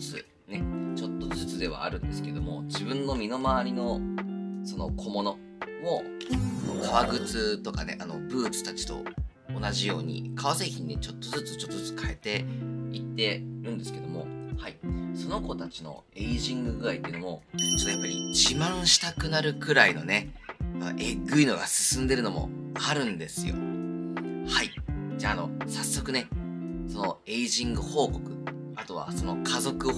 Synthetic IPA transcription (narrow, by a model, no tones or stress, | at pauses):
t͡sɨ̰ | ne̞t͡ɕo̞t̪ːo̞zɨt͡sɨd̪e̞β̞a̰ːɾɯ̟̃nd̪e̞sɨ̥ke̞d̪o̞mo̞d͡ʑibɯ̟̃nːo̞mʲino̞maβaɾʲino̞ | so̞no̞̰kʰo̞mo̞no̞ | mono̰kʰaβaɡɯ̟t͡sɨt̪o̞kane̞̰ʔano̞̰bɯ̟ːt͡sɨ̥t̪at͡ɕi̥t̪o̞̰ | onaʑijo̞ːɲ̟ḭkaβase̞ːçʲĩɲ̟ine̞t͡ɕo̞t̪ːo̞zɨt͡sɨ̥t͡ɕo̞t̪ːozɨt͡sɨ̥kʰae̞t̪e̞it̪ːe̞ɾɯ̟̃nd̪e̞sɨ̥ke̞d̪o̞mo̞̰haiso̞no̞ko̞t̪at͡ɕino̞̰ | e̞iʑĩŋɡɯ̟ɡɯ̟ait̪ːeiɯ̟nomo̞t͡ɕo̞t̪ːojapːaɾʲḭd͡ʑimãɰ̃ɕi̥t̪akɯ̟naɾɯ̟kɯ̟ɾaino̞ne̞a̰ʔeɡɯ̟ino̞ɡa̰sɨ̥sɨ̃nd̪e̞ɾɯ̟no̞mo̞̰aɾɯ̟̃nd̪e̞sɨjo̞̰ | haid͡ʑaːno̞̰sasːo̞kɯ̟ne̞so̞no̞e̞iʑĩŋɡɯ̟ho̞ːko̞kɯ̟̥ | at̪o̞β̞a̰so̞no̞kʰazo̞kɯ̟